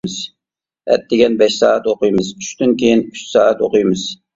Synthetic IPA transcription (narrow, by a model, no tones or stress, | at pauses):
ɨz | ɛ̰t̪̚d̪ɪɡʲɛnbɛʃsɑːɛt̪oqɨjmɨzyʃt̪ynkʲʰejinyʃsɑːɛt̪o̰qʊjmɨz̥